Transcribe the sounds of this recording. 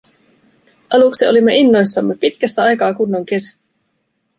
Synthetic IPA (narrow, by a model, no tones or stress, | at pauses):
ʔɑluksio̞̰limːe̞ʔinːo̞jsːɑmːe̞pit̪kæst̪æɑjkɑːkunːo̞ŋke̞sæ̥